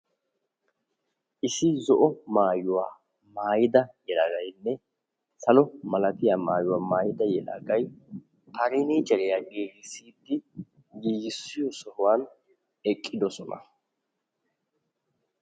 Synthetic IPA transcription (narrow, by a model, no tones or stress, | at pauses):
ʔɪsɪzɔʔɔmaːjʊwaː | maːjɪd̪ɐjɛlɐɡɐjnːɛ | sɐlɔmɐlɐt̪ɪjaːmaːjʊwaːmaːjɪd̪ɐjɛla̰ɡɐj | pɐɾɪniːt͡ʃʼɛɾɪjaːɡeːɡɪsiːd̪ːɪ | ɡiːɡɪsːɪjɔsɔhʊwaːn | ɛkʼːɪd̪ɔsɔnɐ̰